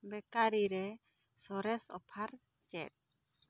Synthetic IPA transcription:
bɛkaɾiɾɛ | sɔɾɛsɔ̰pʰaɾ | t͡ʃɛ̰t̚

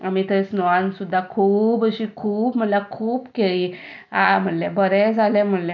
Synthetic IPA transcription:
amiːt̪əsnɔʋãnsud̪ʱːakʰuːbəɕiːkʰuːpm̤əlakʰuːpkeli | am̤əɽlɛ̃bəɾɛd͡zʱalɛ̃m̤əɽlɛ̃

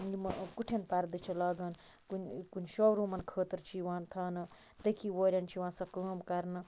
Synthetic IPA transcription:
imkuʈʰjenpaɾd̪ɨt͡ʃʰilaːɡɐn | kunkunʲʃowɾumɐnkʰəːt̪ɐɾt͡ʃʰiwãnt̪ʰaːnɐ | t̪əkʰiwoːɾʲant͡ʃʰiwãːsɐkəːmkɐɾnɐ

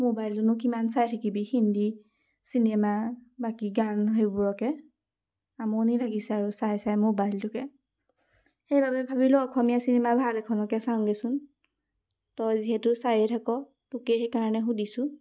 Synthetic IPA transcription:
mobajlzɔnuk̬imansajtʰakibihindi | sinemabakiɡanɦejbuɹɔkɛ | amɔnilaɡisɛaɹusajsajmobajltʊkɛ | xejbabɛbʱabilʊɔkʰɔmijasinɛmabʱalɛkʰɔnɔkɛsaŋɡɛsʊn | tɔjziɦɛtʊsajɛtʰakɔ | tʊkɛxekaɹɔnɛxudisʊ̃

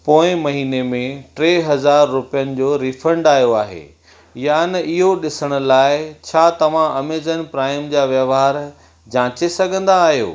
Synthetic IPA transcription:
poːɪ̃mɐɦiːnemẽʈɾeːɦɐzaːɾːʊpijənɪ̆d͡ʑoːɾifə̃ɳɖaːjoaːɦḛ | janɐʔɪɦoɗɪsəɽ̃ʊ̆laːɪt͡ɕʰaːt̪ɐʋ̤ãɐmeːzənpɾaːɪmd͡ʑaːʋjɐʋɦaːɾ | d͡ʑãːt͡ɕesɐɡʱə̃nd̪aːɦijo̰ː

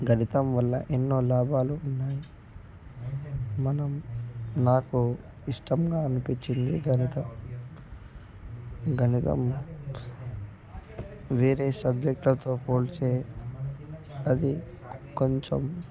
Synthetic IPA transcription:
ɡʱɐnit̪ɐmʋɐlːɐ̰ʔenːo̞ːlaːbʱaːluunːaːji | mɐnɐmnaːku | iʂʈɐmɡaːɐnupiɲt͡ʃːind̪iɡʱɐnit̪ɐm | ɡʱɐnit̪ɐ̰m | ʋeːɾeːsɐbd͡ʒek̚ʈlɐt̪o̞ːkoːlt͡ʃeː | ɐd̪i | koɲt͡ʃom

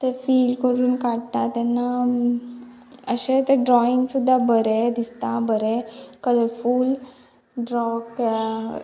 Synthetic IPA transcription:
t̪efiːlkəɾuːnkaɽt̪at̪ɛnːa | əɕet̪eɖɾɔiŋɡsud̪ʱːabəɾed̪ist̪abəɾekələɾfuːl | ɖɾɔk

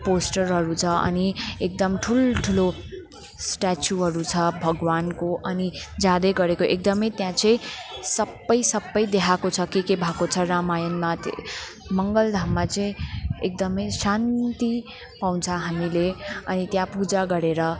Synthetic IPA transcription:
posʈʌrɦʌɾut͡sʰʌʌ̰niek̚d̪ʌmʈʰulʈʰulo | sʈat͡sjuɦʌɾut͡sʰʌbʱʌɡwankoʔʌnid͡zãd̪ʌjɡʌɾekoʔek̚d̪ʌmʌjt̪jãt͡sʌĩsʌbːʌjsʌbːʌjd̪eɦʰakot͡sʰʌkekebʱakot͡sʰʌɾamajʌnmat̪ | mʌŋɡʌld̪ʱammat͡sʌĩek̚d̪ʌmʌjsant̪i | paw̃t͡sʰʌɦamileʌnit̪jãpud͡zaɡʌɾeɾʌ

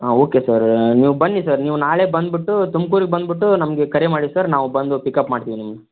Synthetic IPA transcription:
aoːkesɐɾniːʋubɐnːisɐɾniːʋunaːɭeːbɐnd̪biʈːut̪umkuːɾiɡebɐnd̪biʈːunɐmɡe̞kɐɾemaːɽisɐɾnaːʋubɐnd̪upikɐpmaːɽt̪iʋinimɡe

